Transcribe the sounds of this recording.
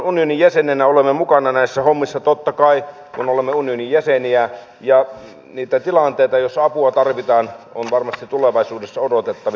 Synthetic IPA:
unionijæsenenæolemːemukɑnɑnæisːæhomːisːɑt̪ot̪ːɑkɑi | kunolemːeunionijjæseniæ | jɑ | niːt̪æt̪ilɑnt̪eit̪ɑjosɑpuɑt̪ɑrʋit̪ɑːnonʋɑrmɑst̪itt̪uleʋɑisuːdesːɑodot̪et̪ːɑʋ

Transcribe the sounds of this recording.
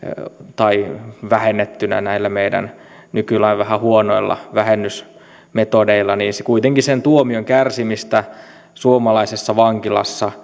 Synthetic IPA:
t̪ɑiʋæhenːet̪ːynæ̰næilːæmeidæ̰n | nykylæiʋʋæhæhuonoilːɑ̰ʋæhenːys | met̪odeilːɑniːnsekuit̪eŋkisent̪uomioŋkærsimist̪æ | suomɑlɑisesːɑʋɑŋkilɑ̰sːɑ

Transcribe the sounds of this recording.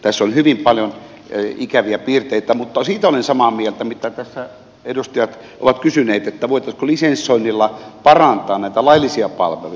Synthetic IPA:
t̪æsːonhyʋimpɑljon | ikæʋiæpiːrt̪eit̪æmut̪ːɑsiːt̪æolensɑmɑmielt̪æmit̪æt̪æsːæ | edust̪ɑjɑt̪ | ʔo̰ʋɑt̪kysyneːt̪et̪ːæʋoˑit̪ɑskolisensoinːilːɑpɑrɑnt̪ˑɑːnnæˑit̪ælɑilːisiɑpɑ̰lʋḛlu

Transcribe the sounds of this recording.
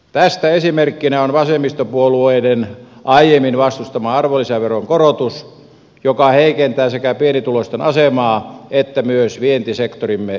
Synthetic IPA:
t̪æst̪æesimerkːinæonʋɑsemist̪opuolueinenʔɑijemːinʋɑst̪ust̪ɑmɑɑrʋolːiseʋeroŋkorot̪us | jokɑheikent̪æːsekæpienit̪ulost̪enɑsemɑːet̪ːæmyøsʋient̪isekt̪orimːe

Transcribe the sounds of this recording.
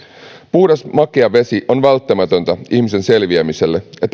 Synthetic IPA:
puːdesmɑkiɑʋe̞siʔo̞nʋælt̪ːæmæt̪ønt̪æiçmise̞nse̞lʋiæmise̞lːeet̪ː

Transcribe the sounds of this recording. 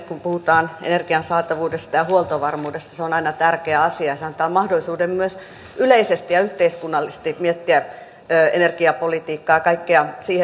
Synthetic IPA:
kumpuhut̪ɑːnḛnerɡ̥iɑnsɑːt̪ɑʋuːdest̪ɑjɑhuolt̪oʋɑrmuːdest̪ɑseonɑinɑt̪ærkeæɑsiɑjɑseɑnt̪ɑːmɑhdolːˑisuːdemmyøs | yleisest̪ijɑyht̪eiskunːɑlːist̪imiet̪ːiæ | øːḛnerɡ̥iɑpolit̪iːkːɑːɑkɑikːeɑsiːhe

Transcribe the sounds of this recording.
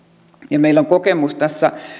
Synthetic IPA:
jɑmeilːˑoŋkokemust̪æsːæ

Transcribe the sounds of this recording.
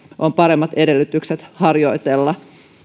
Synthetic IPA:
ʔompɑɾe̞mːɑt̪e̞de̞lːyt̪ykset̪hɑrjo̞jt̪elːɑ

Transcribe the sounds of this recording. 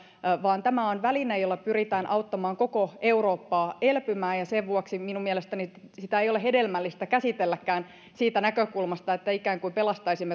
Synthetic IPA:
ʋɑːnt̪æmæonʋælinejolːɑpyrit̪æːnʔɑut̪ːɑmɑːŋko̞koe̞uro̞ːpːɑːelpymæːjɑseʋʋuɑksiminummiɛlest̪ænisit̪æejolehedelmælːist̪ækæsit̪elːækːæːn | siːt̪ænækøkulmɑst̪ɑet̪ːæikæːŋkuimpelɑst̪ɑisimːe

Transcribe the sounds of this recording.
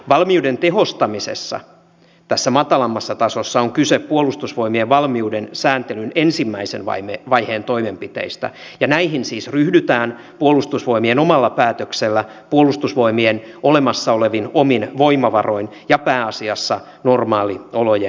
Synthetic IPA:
ʋɑlmiudent̪eɦost̪ɑmisḛsːɑ̰ | t̪æsːæmɑt̪ɑlɑmːɑsːɑt̪ɑsosːɑoŋkyseppuolust̪usʋo̞imieʋɑlmiudensæːnt̪elynensimːæisenʋɑ̰imeʋɑjheːnt̪o̞imempit̪ḛist̪æ̰ | jɑnæihinsiːsryhdyt̪æːn | puolust̪usʋo̞imienomɑlːɑpæːt̪økselːæpuolust̪usʋo̞imienolemɑsːɑoleʋinominʋo̞imɑʋɑro̞in | jɑpæːɑsiɑsːɑ | normɑːlioloje

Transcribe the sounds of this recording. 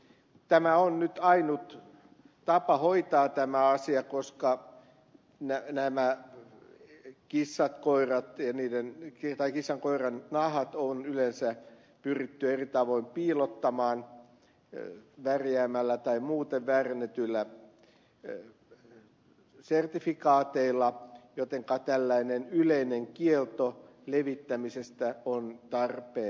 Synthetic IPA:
t̪æmæonnyt̪ɑinut̪ | t̪ɑpɑhoit̪ɑːt̪æmæɑsiɑkoskɑ | nænæmæ | kisːɑt̪koirɑt̪jɑniːdenkit̪ɑikisːɑŋkoirɑnnɑhɑt̪onylensæ | pyrit̪ːyerit̪ɑʋoimpiːlot̪ːɑmɑːn | ʋærjæːmælːæt̪ɑimuːt̪eʋʋæːrenet̪ylːæ | sert̪ifikɑːt̪eilːɑjot̪eŋkɑt̪ælːæinenyleineŋkielt̪o | leʋit̪ːæmisest̪æont̪ɑrpeː

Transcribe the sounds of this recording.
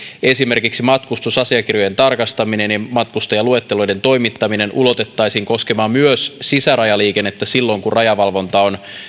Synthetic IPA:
e̞sime̞rkiksimɑt̪kust̪usɑsiɑk̟irjo̞je̞nt̪ɑrkɑst̪ɑmine̞nimɑt̪kust̪ojɑlue̞t̪ːelo̞jde̞nt̪o̞jmit̪ːɑmine̞nʔulo̞t̪et̪ːɑjsiːŋko̞skemɑːmmyøssisæɾɑjɑliːkenːet̪ːæsilːo̞ŋkurɑjɑʋɑlʋo̞nt̪ɑon

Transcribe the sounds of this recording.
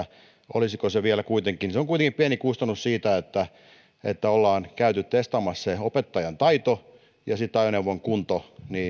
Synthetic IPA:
ʔo̰lisikoseʋiælækuit̪eŋkiniseoŋkuit̪eŋkipiænikust̪ɑnussiːt̪æet̪ːæ | ḛt̪ːæolːɑːnkæyt̪ytt̪est̪ɑmɑsseopet̪ːɑjɑnt̪ɑit̪o | jɑsit̪ːɑjoneuʋoŋkunt̪oniː

